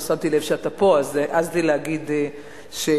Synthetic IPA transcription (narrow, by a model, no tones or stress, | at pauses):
sat̪ilevʃeat̪apoazeʔaztileaɡid̪e | ʃe